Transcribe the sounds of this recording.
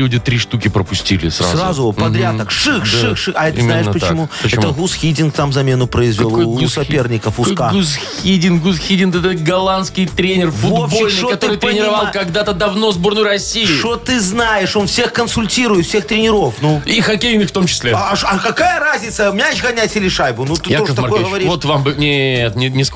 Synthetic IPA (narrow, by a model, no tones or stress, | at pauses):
lʲudʲɪt̪ɾʲiʂt̪ukʲɪpɾəpʊsʲtʲḭlʲɪ̰sɾasrazʊpɐd̪ɾʲat̪əkʂɨxʂɨxʂɨɐɛt̪znajɪʂpət͡ɕɪmuəɛt̪əɣusxʲidʲɪnkt̪amzɐmʲe̞nʊpɾəɪzvʲɪlˠsɐpʲernʲɪkəfʊskaɡusxʲidʲɪnɡusxʲidʲɪnk̪ɛt̪ət̪ɡɐlˠanskʲɪjt̪ɾʲenʲɪrfʊvod̪bolʲɨoɐt̪ɨɾɨt̪ɾʲɪnʲɪɾɐvalˠkɐɡd̪at̪əd̪ɐvno̞zbo̞rnʊjɾɐsʲijʊʂot̪ɨznajɪʂo̞nfsʲe̞xkənsʊlʲtʲiɾʊjɪt̪fsʲext̪ɾʲɪnʲɪɾo̞fnuixɐkʲejnɨxft̪o̞mt͡ɕɪ̥sʲlʲeʂɐkɐkajəɾazʲnʲɪt̪səmʲat͡ɕɣɐnʲatʲɪlʲɪʂajbʊnut̪ɨoət̪ɐɐkojɡəəvɐɾʲiot̪vambɨnʲet̪nʲɪnʲɪs